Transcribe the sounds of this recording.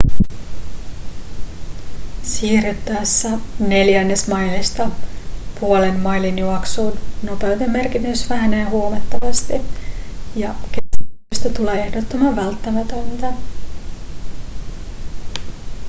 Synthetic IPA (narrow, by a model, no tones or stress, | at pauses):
siːryt̪ːæːsːæne̞ljænːe̞smɑjlist̪ɑpuole̞mːɑjlinjuɑksuːnno̞pe̞wt̪emːe̞rkinysʋæɦæneːɦuomɑt̪ːɑʋɑst̪i | jɑkeyst̪ɑt̪uleːe̞hdot̪ːomɑʋælt̪ːæmæt̪ønt̪æ